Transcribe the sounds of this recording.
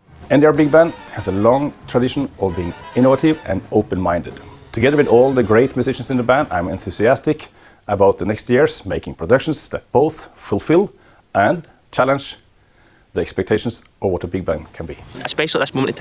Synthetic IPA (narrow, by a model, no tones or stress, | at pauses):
ɛ̃ndiəɹbɪɡ̚bæ̃ndhɨzəlɔ̃ŋtʰɹ̥adɪʃə̃n̩ʔʌvbiɪ̃ŋɪ̃ñovəɾɪvɨ̰̃noʊpɨ̃nmãɪ̃ndɨd̥tʰɨɡɛðə˞wɨðɔlˠðəɡɹeɪtmɨzɪʃnsnðəbæ̃ndã̰ɪ̃mɛ̃nθʉsiæstɪk | əbaʊt̪̚ðənɛkstjɪɹz̥meɪkɪ̃ŋpʰɹ̥ɔdʌkʃə̃n̩sðɨt̚b̥oʊθfʊlˠfɪlˠ | ʔə̃n | t͡ʃʰælˠə̃nd͡ʒ | ðiɛkspɛk̚tʰeɪʃn̩s | ʔəvwʌɾəbɪɡ̚bæ̃nkʰɨ̃nbiəspɛʃlˠiðɪsmõə̃n